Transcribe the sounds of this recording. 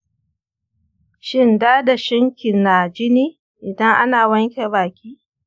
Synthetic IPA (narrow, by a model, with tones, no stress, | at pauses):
ʃɪ˦ndaː˦da˨ʃɐ˦ŋkʲɪ˨naː˨d͡ʒɪ˦niː˦ | ʔɪ˨dɐ˦ŋʔa˦naː˨wɐ˦ŋkʲe˨baː˨kʲiː˦